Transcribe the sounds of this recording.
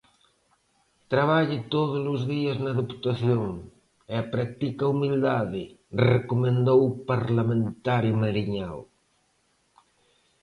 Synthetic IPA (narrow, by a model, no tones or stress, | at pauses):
t̪ɾaβaʎɪt̪oðʊzlʊzðiɐznɐðepu̥t̪aθjoŋ | eapɾak̚t̪ikɐumild̪aðɪrekomẽnd̪owpaɾlamẽnt̪aɾjʊmaɾiɲaw